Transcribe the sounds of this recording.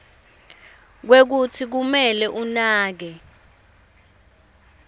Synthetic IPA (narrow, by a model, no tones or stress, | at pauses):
k̬wek̬utʰik̬umɛlɛʔunaːk̬ɛ